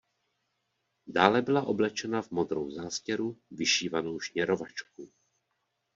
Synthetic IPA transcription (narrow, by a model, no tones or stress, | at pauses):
daːlɛbɪlaʔo̞blɛt͡ʃɛnavmod̪ɾowzaːscɛɾuvɪʃiːvanowʃɲɛɾovat͡ʃk̚u